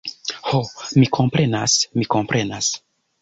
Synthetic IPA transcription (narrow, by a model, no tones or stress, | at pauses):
homikʰo̞mpɾe̞nasmiko̞mpɾʔe̞nas